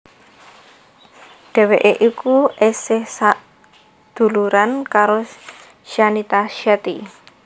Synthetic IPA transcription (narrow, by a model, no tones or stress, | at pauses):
ɖ̥e̤weʔeʔikuʔesɪhsaʔ | d̪̥ṳluɾankaɾo | ʃanit̪aʃat̪i